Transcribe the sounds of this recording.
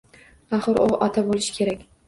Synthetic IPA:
aχɨɾʔʊ̰ʔɒt̪ʰabolɪʃɪ̥kʲʰe̞ɾakʲ

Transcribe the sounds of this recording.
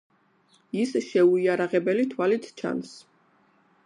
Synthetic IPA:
isʃɛuiaɾaʁɛbɛlit̪ʰwalit̪ʰt͡ʃʰa̰ns

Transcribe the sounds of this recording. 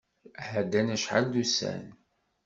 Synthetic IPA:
hæd̪ːænæʃħa̰ld̪usæ̰n

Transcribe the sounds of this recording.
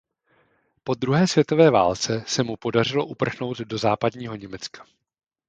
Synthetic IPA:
po̞d̪ɾuɦɛːsvjɛt̪o̞vɛːva̰ːlt͡sɛsɛmupo̞dar̝ɪlo̞ʔupr̩xno̞wd̪do̞zaːpadɲiːɦo̞ɲɛmɛt͡skḁ

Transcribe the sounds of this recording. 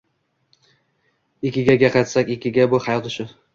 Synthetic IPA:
ɪkʲːɪɡʲaɡʲaqʰat̪sakʲɪkʲʰːɪɡʲabʊhajɒt̪ʊʃʊ

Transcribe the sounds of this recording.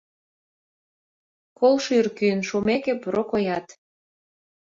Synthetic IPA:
kolʃyrkyənʃomekepoɾokojɑt̪

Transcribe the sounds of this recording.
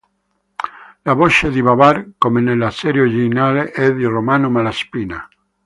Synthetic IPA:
laβoʃed̪iβaβaɾkomenelasɛɾjod͡ʒinaleʔɛðiromanomalaspina̰

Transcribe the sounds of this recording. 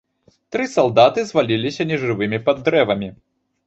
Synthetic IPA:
t̪ɾɨsalˠd̪at̪ɨzvalʲilʲisʲɐnʲɛʐɨvɨmʲipad̪ːɾɛvɐmʲi

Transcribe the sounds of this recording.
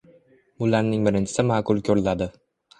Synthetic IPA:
bʊlaɾnɪŋbɪɾɪnt͡ʃʰɪ̥sɪmaːkʊlˠkʲʰɵɾɪlad̪ɪ

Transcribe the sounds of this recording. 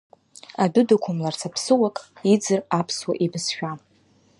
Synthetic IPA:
adʊdakʷʰʊmlart͡sʰapʰsɨwakʼid͡zɨrapʰswa̰ʔibɨsʃᶣa

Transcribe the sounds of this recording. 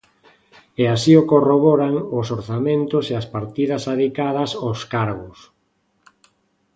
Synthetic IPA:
easiokoroβɔɾaŋʊsoɾθamẽnt̪ʊseaspaɾt̪iðɐsaðikaðɐsaskaɾɣʊs

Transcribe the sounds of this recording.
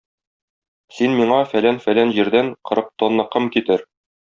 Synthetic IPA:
sinmiɴɑfælænfælænʑiɾd̪æŋqɤ̆ɾɤq̚t̪onlˠɤ̆qɤmkit̪ɘɾ

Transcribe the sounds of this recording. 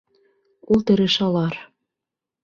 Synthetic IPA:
ult̪ɘ̆ɾĕʃɑlɑr

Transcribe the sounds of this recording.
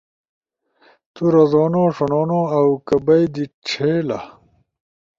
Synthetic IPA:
t̪uɾɐzoːnoːʂonoːnoːɐwkɐbɐid̪iʈ͡ʂʰeːlɐ̰

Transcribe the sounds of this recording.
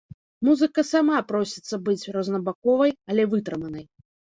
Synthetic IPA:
muzɨkɐsamapɾɔsʲi̥t̪sːɐbɨt͡sʲrɐznɐbakɔvɐjɐlʲɛvɨt̪ɾɨmɐnɐj

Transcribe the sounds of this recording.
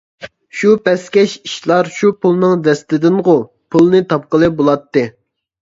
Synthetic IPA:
ʃupɛskʲɛʃi̥ʃlˠɑɾʃupulˠnɨŋd̪ɛst̪ɪd̪ɪnʁʊ | pʰulˠnɨt̪ʰɑp̚qəlˠɨbolˠɑt̪ːɨ

